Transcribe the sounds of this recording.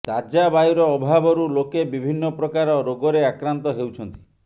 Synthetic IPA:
t̪ad͡ʒabajɾɔːbʱabɔɾulokebibʱinːɔpɾɔkaɾɔɾoɡɔɾeakɾant̪ɔɦewt͡ʃʰɔnt̪i̥

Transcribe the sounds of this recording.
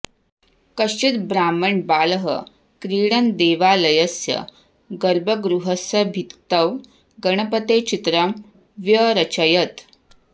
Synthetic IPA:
kəɕt͡ʃit̪bɾaːməɳbaːləɦə̰ | kɾiːɽ̃ənd̪eːʋalɐjəsjə̰ | ɡəɾbʱəɡɾuɦəsəbʱit̪t̪əʋ | ɡəɳ̃əpət̪et͡ʃit̪ɾəm | ʋjəɾət͡ɕəjət̪

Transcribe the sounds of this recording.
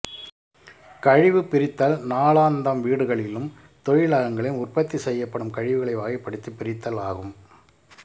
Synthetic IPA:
kɐɻɪʋɯpɪɾɪt̪ːɐlnaːɭaːnd̪ɐmʋiːɽɯɣɐɭɪlɯm | t̪ɔɻɪɭaːɣɐŋɡɐɭɪnʊrpɐt̪ːisɛjːɐpːɐɽɯmkɐɻɪʋɯɣɐɭɐɪʋaːɣɪpːɐɽɯt̪ːipːɪɾɪt̪ːɐlaːɣɯm

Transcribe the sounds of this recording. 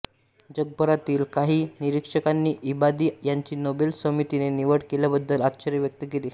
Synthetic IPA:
d͡ʑəɡ̚bʱəɾat̪iːlkaɦiːniɾikʂəkanːiːʔibad̪iːjaɲt͡ɕiːnobelsəmit̪ineniʋəɽkeljabəd̪ːəlat̪ɕəɾjəʋjək̚t̪əkeliː

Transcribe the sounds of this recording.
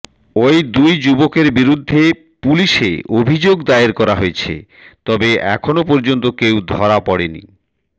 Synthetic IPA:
ojd̪ujd͡ʑubokeɾbiɾud̪ʱːe | puliʃḛobʱid͡ʑoɡd̪aeɾkɔɾaɦoet͡ɕʰḛ | t̪ɔbeʔɛ̰kʰonopɔɾd͡ʑont̪okewd̪ʱɔɾapɔɽenḭ

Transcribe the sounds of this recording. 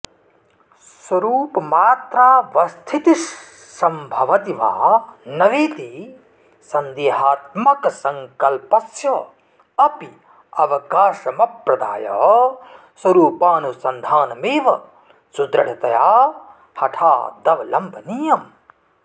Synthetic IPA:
swɐɾuːpɐmaːt̪ɾaːʋɐst̪ʰit̪iː | ɐmbʱɐʋɐt̪ima̰ːnɐʋeːt̪i | sɐnd̪eːɦaːt̪̚mɐkɐsɐŋkɐlpɐsjɐ | ɐpi | ɐʋɐkaːʃɐmɐpɾɐd̪a̰ːjɐ | swɐɾuːpaːnusɐnd̪ʱaːnɐmeːʋɐ | sud̪ɾɐɽ̤ʰɐt̪ɐjaː | hɐʈʰa̰ːd̪ɐʋɐlɐmbʱɐnijɐm

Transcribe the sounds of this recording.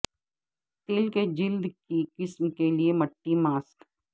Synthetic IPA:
t̪eːlked͡ʒɪld̪kikɪsmkeliemɐʈːimaːsk

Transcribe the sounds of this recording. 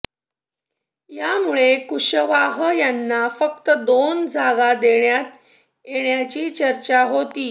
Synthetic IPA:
jamuɭekuɕəʋaɦəjanːafək̚t̪əd̪ond͡zʱaɡad̪eɳjat̪ | jeɳjat͡ɕiːt͡ɕəɾt͡ɕaɦot̪iː

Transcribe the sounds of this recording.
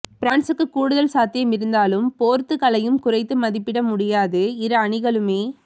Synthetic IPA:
pɪɾaːɳsɯkːɯkːuːɽɯðɐlsaːt̪ɪjɐmɪɾɯnd̪aːlɯmpoːɾt̪ːɯkɐlɐjɯmkʊrɐɪt̪ːɯmɐðɪpːɪɽɐmʊɽɪjaːðɯɪɾɐɐɳɪɣɐɭɯmeː

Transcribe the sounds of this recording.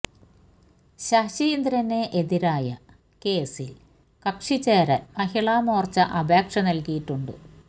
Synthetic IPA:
ɕɐɕijind̪ɾɐnːeʔeðiɾaːjɐ | ke̞ːsil | kɐkʂit͡ɕːeːɾɐmɐhiɭaːmoːrt͡ɕːɐʔɐbʱeːkʂɐnɐlkijiʈːuɳɖɨ̰

